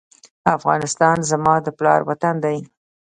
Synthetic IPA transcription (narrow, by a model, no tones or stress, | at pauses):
afɣɑ̰nɪst̪ɑnzamɑd̪əplɑ̰ɾwat̪and̪aj